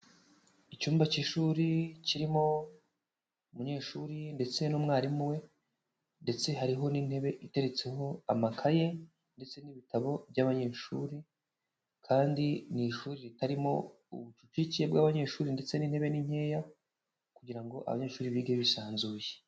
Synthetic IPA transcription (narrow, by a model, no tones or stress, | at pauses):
icuːmbaciʃuːɾiciɾimo̞ | umuɲe̞ːʃuːɾinde̞t͡se̞nuːmŋaːɾimuwe̞ | nde̞t͡se̞ɦaɾiɦo̞nin̥he̞βe̞ʔite̞ɾe̞t͡se̞ho̞amakʰaje̞ | nde̞t͡se̞niβitaβo̞bjaβaɲe̞ːʃuːɾi | kʰaːndiniʃuːɾiɾitaɾimo̞ | ṵβut͡ʃut͡ʃicijebɡaβaɲe̞ːʃuːɾinde̞t͡se̞niːnhe̞βe̞niɲ̥e̞ːja | kuɟiɾaŋɡo̞ʔa̰βa̰ɲe̞ːʃuːɾiβiɡeβisaːnzuːje